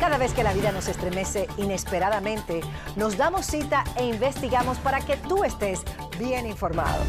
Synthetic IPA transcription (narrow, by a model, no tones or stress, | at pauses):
kaðaβe̞ske̞laβiðano̞se̞st̪ɾe̞me̞se̞ine̞spe̞ɾaðamẽ̞nt̪e̞ | no̞sd̪amo̞sːit̪ae̞iɱbe̞st̪iɣamo̞spaɾake̞t̪ue̞st̪e̞s | bje̞niɱfo̞ɾma̰ðo̰